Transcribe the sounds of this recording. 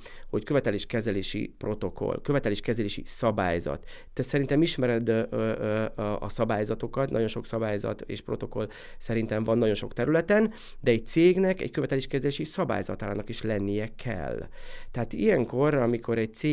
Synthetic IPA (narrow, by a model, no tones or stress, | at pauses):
ho̞ckø̞vɛt̪ɛleːʃkɛzɛleːʃḭpro̞t̪o̞kʰo̞̰lkø̞vɛt̪ɛleːʃkɛzɛleːʃḭsɒba̰ːjzɒ̰t̪ː | ɛsɛɾint̪ɛmiʃmɛɾɛd̪ | ɒsɒbaːjzɒt̪o̞kɒt̪nɒ̰ɟo̞nʃo̞ksɒbaːjzɒ̰t̪ḛːʃpɾo̞̰t̪o̞ko̞̰l | sɛɾint̪ɛɱvɒnːɒɟo̞nʃo̞kt̪ɛɾylɛt̪ɛn | d̪ɛɛɟ̚t̪seːɡnɛkɛ̰ɟkø̞vɛt̪ɛleːʃkɛzɛleːʃisɒba̰ːjzɒt̪aːlaːnɒkiʃlɛnːijɛkʰɛ̰lːt̪ɛɦaːt̪ijɛŋko̞rɒmikʰo̞ɾɛɟ̚t̪seː